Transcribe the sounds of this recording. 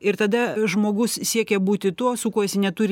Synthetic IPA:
ɪrt̪ɐd̪ɐʒmoːɡʊssʲiɛkʲɛbuːt̪ʲɪt̪uɔsʊkuɔjɛsʲnʲɛt̪ʊːɾʲ

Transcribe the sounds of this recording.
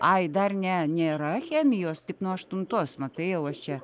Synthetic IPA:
ɐɪd̪ɐrnʲɛnʲeːɾɐxʲæːmʲɪjoːst̪ʲɪknuɔɐʃt̪ʊnt̪oːsmɐt̪ɐɪjɛʊɐʃt͡ʃʲɛ

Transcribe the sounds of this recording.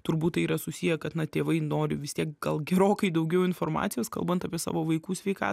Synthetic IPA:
t̪ʊɾbuːt̪t̪ːɐɪiːɾɐsʊsʲijɛkɐt̪nɐt̪ʲeːʋɐɪnoːɾʲɪʋʲɪst̪ʲiɛk̚ɡɐlˠɡʲɛɾoːkɐɪd̪ɐʊɡʲɛʊɪnfoːrmɑ̰ːt̪sʲɪjoːskɐ̰lˠbɐnt̪ɐpʲiɛsɑ̰ːʋoːʋɐɪkuːsʲʋʲɛɪkɑ̰ː

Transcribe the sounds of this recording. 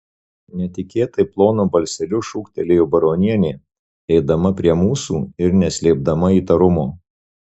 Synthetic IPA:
nʲɛt̪ʲɪkʲeːt̪ɐɪplˠoːnoːbɐlʲsʲɛlʲʊʃuːkt̪ʲɛlʲeːjuːbɐɾoːnʲiɛnʲeː | ɛɪd̪ɐmɐpʲɾʲiɛmuːsuːɪɾnʲɛsʲlʲeːb̚d̪ɐmɐiːt̪ɐɾʊmoː

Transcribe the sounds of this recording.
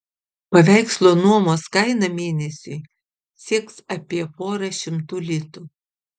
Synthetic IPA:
pɐʋʲæˑɪkslˠoːnuɔmoːskɐɪnɐmʲeːnʲɛsʲʊɪ | sʲiɛksɐpʲiɛpoːɾɐʃʲɪmt̪uːlʲɪt̪u

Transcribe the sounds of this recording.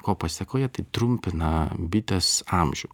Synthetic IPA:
koːpɐsʲsʲɐkoːjɛt̪ɐɪt̪ɾʊmʲpʲɪnɐbʲɪt̪ʲɛsɑmʲʒʲʊ

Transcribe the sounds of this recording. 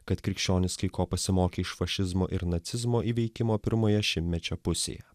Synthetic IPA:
kɐt̪kɾʲɪkʃʲt͡ʃʲoːnʲɪskɐɪkoːpɐsʲɪmoːkʲeɪʃfɐʃʲɪzmo̰ːʔɪɾnɐt̪sʲɪzmoːʔiːʋʲɛɪkʲɪmoːpʲɪɾmoːjɛʃʲɪmʲt̪ʲmʲɛt͡ʃʲɛpʊsʲḛːjɛ̰

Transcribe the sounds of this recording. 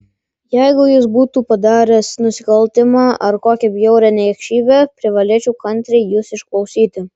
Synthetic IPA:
jɛɪɡʊjʊsbuːt̪upɐd̪ɑːɾʲɛsnʊsʲɪkɐlʲt̪ʲɪmɑːʔɐɾkoːkʲɛbʲjɛʊɾʲɛnʲɛɛkʃʲiːbʲɛpʲɾʲɪʋɐlʲeːt͡ʃʲuːkɐnʲt̪ʲɾʲɛɪjusɪʃklˠɐʊsʲiːt̪ʲɪ

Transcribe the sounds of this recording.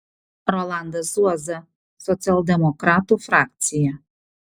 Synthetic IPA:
ɾɔlˠand̪ɐsuɔzɐ | sɔt̪sʲɪɐlˠd̪ʲɛmɔkɾaːt̪ufɾaːk̚t̪sʲɪjɛ

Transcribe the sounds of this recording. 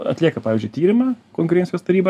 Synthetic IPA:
ɐ̰t̪ʲlʲiɛkɐpɑːʋʲɪzʲd͡ʒʲʊɪt̪ʲiːɾʲɪmɑːkoːŋʲkʊɾʲenʲsʲɪjoːst̪ɐɾʲiːbɐ

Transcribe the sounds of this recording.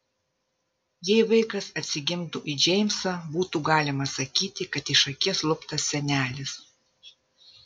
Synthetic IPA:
jɛɪʋɐɪkɐsɐt̪ʲsʲɪɡʲɪmt̪uʔid͡ʒʲɛɪmʲsɐbuːt̪uːɡɑːlʲɪmɐsɐkʲiːt̪ʲɪkɐt̪ɪʃɐkʲiɛslˠʊpt̪ɐsʲsʲɛnʲæːlʲɪs

